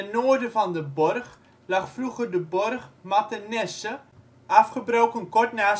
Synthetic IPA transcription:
ɛnoərdəvɔndəbɔrχ | laχfruχərdəbɔrχmatənɛsə | ʔafχəbrowkənkɔrtnaː

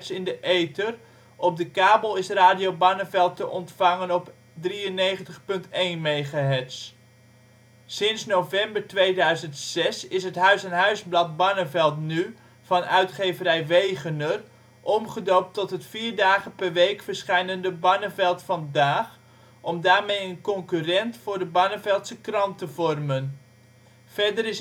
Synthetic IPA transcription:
sɪndəʔejtər | ʔɔb̚dəkaːbəlˠɪsraːdijowbɑnəvɛlˠtəʔɔntfɑŋənɔp | driənejχəntəχpɵntejnmejχaɦɛts | ɪnsnowvɛmbəɹtʋejdœɥzəntsɛsɪsɦətɦœɥsɛnɦœɥzblɑt̚bɑnəvɛlˠtny | v̥ɑnœ̰ɥtχejvəɾɛjʋejχəndər | ʔɔmχədowp̚tɔtɦətfiːɹdaːχənpɛɹʋejkfəɹsχɛjnəndəbɑnəvɛlˠtfɑndaːχ | ʔɔmdaːɹmejənkɔŋkyrɛntfʊːɹdəbɑnəvɛlˠtsəkrɑntəvɔrmən | fɛɹdərɪs

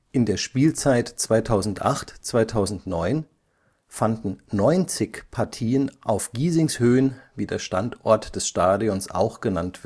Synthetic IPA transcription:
ʔɪndeːɐʃpiːlt͡saɪtt͡sv̥aɪtʰaʊzn̩tʔa̰χtt͡sv̥aɪtʰaʊzn̩tnɔʏn | fandn̩nɔʏnt͡sɪçpʰaɐtʰiːənʔaʊfɡ̥iːzɪŋshøːənviːdeːɐʃtantʔɔ̰ɐtd̥ɛsʃtaːdiɔnsʔa̰ʊxɡ̥ənantv̥ɪ

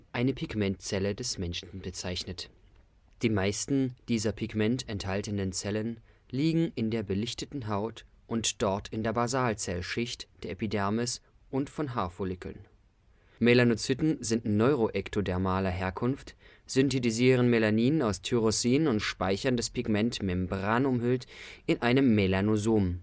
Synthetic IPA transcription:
ʔaɪnəpʰiɡmɛntt͡sɛlədɛsmɛnʃn̩bət͡saɪçnət | d̥iːmaɪstn̩d̥iːzɐpʰiɡmɛntɛnthaltənənt͡sɛlən | liːɡŋ̩ɪndeːɐbəlɪçtətn̩ɦaʊt | ʔʊntd̥ɔɐtʰɪndeːɐbazaːlt͡sɛlʃɪçtd̥eːɐʔepidɛɐmɪs | ʔʊntfɔnɦaːɐfolɪkl̩n | melanot͡sytn̩zɪntnɔʏʁoʔɛktʰodɛɐmaːlɐɦeːɐkʰʊnft | z̥ʏntetiziːʁ̞ənmelaniːnənaʊstʰyʁosiːnnʊntʃpaɪçɐndaspʰɪɡmɛntmɛmbʁaːnʊmhʏltʔɪnʔaɪnəmːelanozoːm

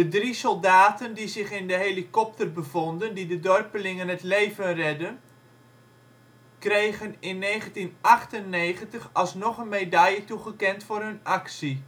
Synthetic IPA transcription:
dədrisɔlˠdaːtəndizɪχɪndəɦelikɔp̚tərbəvɔndəndidədɔrpəlɪŋənɦətlejvənrɛdən | krejχənɪnːejχəntinɑχtənːejχəntəχɑlˠsnɔχənmejdajətuχəkɛntfʊːrɦɵnɑksi

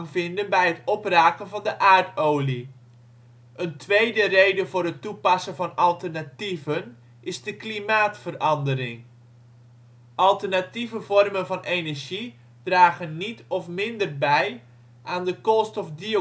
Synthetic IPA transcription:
ŋvɪndənbɛjɦətɔpraːkənvɑndəʔaːɹtowli | ʔəntʋejdərejdəvʊːɾɦətːupɑsənvɑnɑlˠtəɹnativən | ʔɪzdəklimaːtfərɑndəɾɪŋ | ʔɑlˠtəɹnativəvɔrmənvɑnejnɛɹʒi | d̥raːχənːitɔfmɪndərbɛj | ʔaːndəkɔstɔfdio

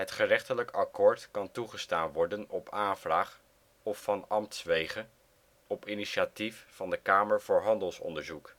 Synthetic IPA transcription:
ɦətχərɛχtələkɑkoːɹtkɑntuχəstaːnʋɔɹdənɔpʰaːnvraːχ | ɔfːɑnɑmtsʋejχən | ɔpiniʃatifːɑndəkaːməɹvʊːɹɦɑndəlˠsɔ̰ndəɹzuk

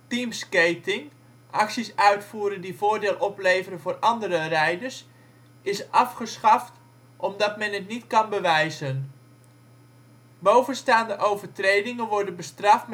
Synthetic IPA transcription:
timskejtɪŋ | ʔɑksisœɥtfuːɾəndivoːɹdɪːlˠʔɔplejvəɾənvʊːrʔɑndəɾərɛjdəɹs | ɪsɑfχəsχɑft | ʔɔmdɑtmɛnɦətnitkɑnbəʋɛjzən | bowvənstaːndəʔowvəɹtrejdɪŋənʋɔɹdənbəstrɑftm

